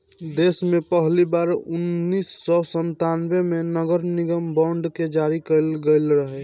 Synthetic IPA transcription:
d̪esmepəɦlibaɾunːisːɔsənt̪anbemenəɡəɾniɡəmbɔɳɖked͡ʒaɾikəɪlɡəɪlɾəɦɛ

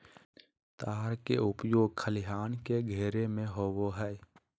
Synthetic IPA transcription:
t̪aːɾkeʊpjoːɡ̚kʰəlɪɦaːnkeɡʱeːɾemẽɦoːwoɦɛː

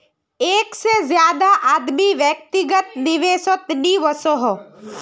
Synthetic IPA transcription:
eːksezjaːd̪aʔaːd̪miʋjək̚t̪ɪɡət̪nɪʋeːsot̪niʋəsoɦo

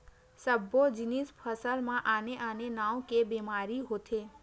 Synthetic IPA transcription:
səbod͡ʒɪnispʰəsəlmãʔaːneʔaːnenãːwkebiːmaːɾiɦoːt̪ʰeː

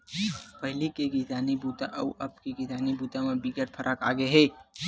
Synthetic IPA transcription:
pəɦlikeɡit̪anibʱut̪aʔəuʔəpkeɡit̪anibut̪amebiɡəɾpʰəɾʔəka̰ɡeɦe

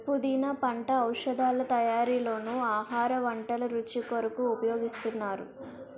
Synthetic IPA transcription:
pːud̪iːnɐpɐɳʈɐːwʂɐd̪aːlɐt̪ɐjaːɾiːlo̞ːnuaːɦaːɾɐʋɐɳʈɐlɐɾut͡ʃikoɾɐkuːpɐjoːɡist̪unːaːɾṵ

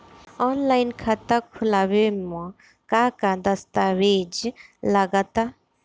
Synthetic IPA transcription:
ɔːnlajnkʰat̪akʰʊlaʋemɔ̃ | kaːkad̪ɐst̪aʋeːd͡ʒlɐɡat̪a

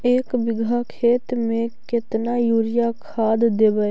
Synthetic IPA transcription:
eːkbɪɡʱakʰeːt̪mẽkɪt̪najuːɾɪjakʰaːd̪d̪eːbəe

